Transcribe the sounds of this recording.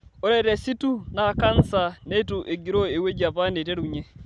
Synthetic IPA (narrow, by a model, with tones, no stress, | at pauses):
o˦ɾɛ˦ɾɛ˨si˦tu˦na˨ka˦n˦sa˨ne˦tuʔe˨ɡi˨ɾo˦e˨we˦d͡ʒa˨pa˦ne˨te˦ɾuɲe˦